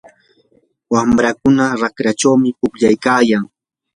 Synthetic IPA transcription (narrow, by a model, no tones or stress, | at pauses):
wamɾakʊnaɾakɾat͡ʃawmɪpʊpʎajkaːjaŋ